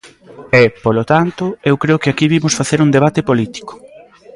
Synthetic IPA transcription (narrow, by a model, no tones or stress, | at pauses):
ɛpolot̪ant̪ʊewkɾeʊkɪakiβimʊsfaθeɾuŋd̪eβ̞at̪ɪpolit̪i̥ko̥